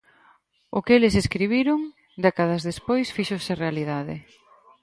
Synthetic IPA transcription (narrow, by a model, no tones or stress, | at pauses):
ʊkelɪseskɾiβ̞iɾʊŋ | d̪ɛkaðazðespojsfiʃosɪrealiðaðɪ̰